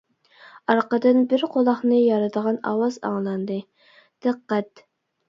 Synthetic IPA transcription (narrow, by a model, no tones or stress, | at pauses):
ɑɾqəd̪ɨnbɪɾqʰolˠɑχnɨjɑɾɨd̪əʁɑnɑ̰wɑzɑ̰ŋlˠɑnd̪ɨ | d̪̥ɨqːɛt̪